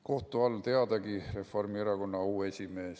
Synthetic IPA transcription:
ko̞ht̪uɑlːt̪e̞ɑd̪̥ɑɡire̞fo̞rmieɾɑko̞nːɑuːe̞sʲime̞ːs

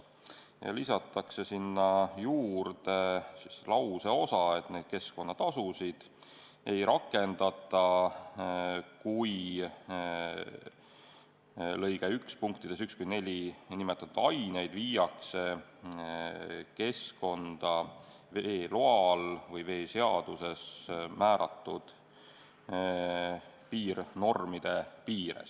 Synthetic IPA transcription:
jɑ̰lisɑt̪ːˑɑkse̞sinːɑjuːɾd̪e̞sislɑwseo̞sɑe̞t̪ne̞d̪̥̚ke̞sko̞nːɑt̪ɑsusid̪̥ | e̞jɾɑkːˑe̞nd̪̥ɑt̪ˑːɑ | kuj | lɤjɡeykspuŋk̚t̪id̪̥esykskujne̞lʲinimet̪ˑːɑt̪ud̪ɑjne̞jd̪̥viːjɑkse̞ | ke̞sko̞nd̪̥ɑ | veːlo̞ɑlvɤjve̞ːse̞ɑd̪̥use̞smæːɾɑt̪ːˑud̪̥ | piːrno̞rmid̪̥e̞piːɾḛs

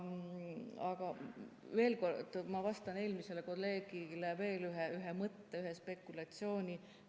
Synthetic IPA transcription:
ɑɡ̥ɑ | ve̞ːlko̞rd̪̥mɑvɑst̪ɑne̞ːlmise̞leko̞lːe̞ːɡ̥ileve̞ːlyɦeyɦemɤt̪ːeyɦespe̞kːˑulɑt̪sio̞ːnʲi

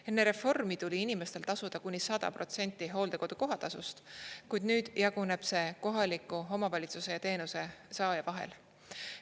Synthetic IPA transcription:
e̞nːe̞ɾe̞fo̞rmit̪ulʲiinime̞st̪e̞lt̪ɑsud̪̥ɑkunʲːisɑd̪̥ɑ̰pro̞t̪se̞nʲt̪ˑːiɦo̞ːld̪̥e̞ko̞d̪uko̞ɦɑt̪ɑsṵst̪kujd̪nyːd̪̥jʔɑɡ̥une̞b̥se̞ko̞ɦɑlikːˑuɦo̞mɑvɑlʲit̪suse̞jɑt̪e̞ːnuse̞sɑːjɑvɑɦḛl

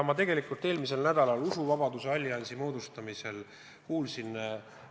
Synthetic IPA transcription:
mɑt̪e̞ɡe̞likːˑult̪ːˑe̞ːlmise̞lnæd̪̥ɑlɑlusuvɑbɑd̪useɑlʲːɑnʲsimo̞ːd̪ust̪ɑmise̞l | kuːlsin

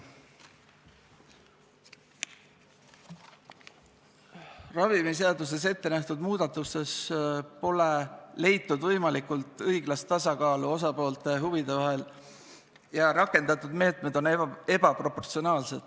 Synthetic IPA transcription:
rɑvimiseɑd̪us̬e̞s̬e̞t̪ːe̞næht̪ud̪muːd̪̥ɑt̪ːˑuse̞spo̞le̞le̞jt̪ːud̪̥vɤjmɑlikult̪ˑɤjɡlɑst̪t̪ːɑsɑkɑːluo̞s̬ɑpo̞ːlt̪e̞ɦuvid̪̥e̞vɑɦe̞l | jɑɾɑkːˑe̞nd̪̥ɑt̪ːˑud̪me̞ːt̪ˑme̞d̪̥o̞nee̞bɑpro̞pːo̞rt̪sio̞nɑːlset̪

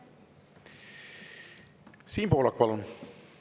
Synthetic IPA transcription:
siːnpoːlɑk̚pɑlun

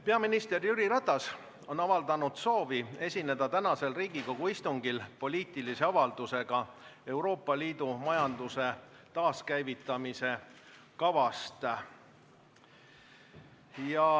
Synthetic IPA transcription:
peɑminist̪e̞rjyɾiɾɑt̪ːˑɑs | o̞nɑvɑld̪̥ɑnud̪̥so̞ːvie̞sʲine̞d̪̥ɑt̪ænɑse̞lriːɡ̥iko̞ɡ̥uist̪uŋɡ̥ilpo̞lʲiːt̪ˑilise̞ɑvɑld̪̥use̞ɡ̥ɑe̞wɾo̞ːpːˑɑliːd̪umɑjɑnd̪use̞ | t̪ɑːskæjvit̪ːˑɑmise̞ | kɑvɑst̪ | jɑ

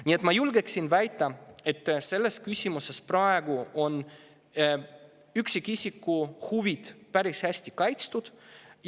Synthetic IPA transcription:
nʲiet̪mɑjulɡeksinvæjt̪ːˑɑe̞t̪ːse̞lːe̞skysʲimuse̞sprɑe̞ɡuʔo̞n | yksikːˑisʲikːuhuvid̪̥pæɾishæsʲt̪ikɑjt̪st̪ud̪̥

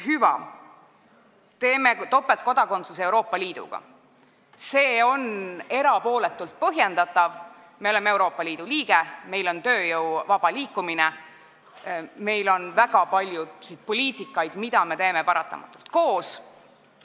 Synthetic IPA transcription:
hyvɑ̰ | t̪e̞ːmet̪o̞pːˑelt̪̚ko̞d̪̥ɑko̞nt̪susewɾo̞ːpːˑɑliːd̪̥ṵɡ̥ɑ̰ | se̞ːo̞ne̞ɾɑpo̞ːle̞t̪ːˑult̪̚pɤɦjend̪ɑt̪ːˑɑv | me̞o̞lemee̞wɾo̞ːpˑːɑliːd̪̥uliːɡe̞me̞jlo̞nt̪ø̞ːjɤwvɑb̥ɑliːkːˑumine | me̞jlo̞nvæɡɑpɑlʲjusid̪̥̚po̞liːt̪ˑikːˑɑjd̪mid̪̥ɑme̞t̪e̞ːme̞pɑɾɑt̪ːˑɑ̰mɑ̰t̪ːˑult̪ko̞ːs

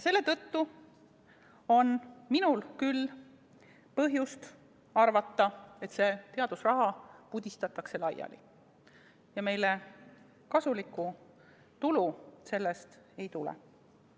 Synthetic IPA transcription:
se̞lːe̞t̪ɤt̪ːu | o̞nminulkyl | pɤɦjust̪ | ɑrvɑt̪ːɑe̞t̪se̞ːt̪e̞ɑd̪usrɑɦɑpud̪̥ʲist̪ɑt̪ːˑɑkse̞lɑjɑ̰lḭ | jɑme̞jle̞ | kɑsulikːˑu | t̪uluse̞lːe̞st̪e̞jt̪ulɛ̰

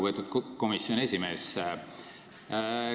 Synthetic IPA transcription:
vɤt̪ud̪̚ko̞misːjo̞ne̞sʲime̞ːs

